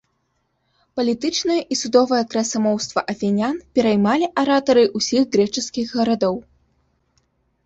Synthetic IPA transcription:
pɐlʲit̪ɨt͡ʂnɐjɐʔisud̪ɔvɐjɐkɾɐsamɔwst̪vɐʔɐfʲɛnʲanpʲɛɾɐjmalʲiʔɐɾat̪ɐɾɨʔusʲiɣɣɾɛt͡ʂɨskʲiɣɣɐɾad̪ɔw

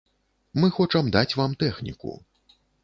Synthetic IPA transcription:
mɨxɔt͡ʂɐmd̪at͡sʲvamt̪ɛxnʲḭkṵ

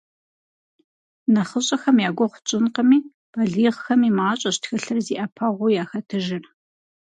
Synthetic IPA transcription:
nɐχəɕʼɐxɐmjaːɡʷɔχʷʊt͡ʃʼɪnqɐmiː | b̥ɐɮiːʁxɐmiːmaːɕʼɐɕtxɐɬɨrziːʔɐpʰɐʁʷʊjaːxɐtʰɨʒɪr

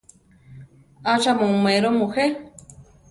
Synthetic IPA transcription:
aʃamõũmẽɾomũhe

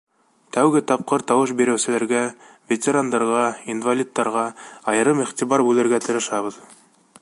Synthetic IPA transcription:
t̪æwɡɘt̪ɑp̚qɤɾt̪ɑwɤʃ̬biɾɘ̆wsɘ̆læɾɡæ | vʲet̪ʲeɾand̪ɑɾʁɑinvalʲit̪ːɑɾʁɑɑjɤ̆ɾɤmiχt̪iβɑɾbʉlɘ̆ɾɡæt̪ɤ̆ɾɤ̆ʃɑβɤ̆ð

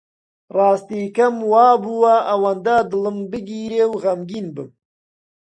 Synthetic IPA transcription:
rɑːst̪iːkɐmwɑːbuwaʔɐwand̪ad̪ɨlɨmbɨɡiːɾeːwɣɐmɡiːnbɨ̰m

